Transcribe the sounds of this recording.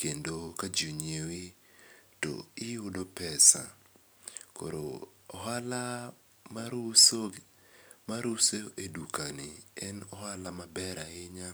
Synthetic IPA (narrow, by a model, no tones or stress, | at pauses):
kendokad͡ʒuɲewi | to̰ɪʊdopɛsa̰ | ko̰ɾo̰ | ɔɦala | maɾuso | maɾuseʔedukanɪɛnɔhalamabɛɾaɪɲa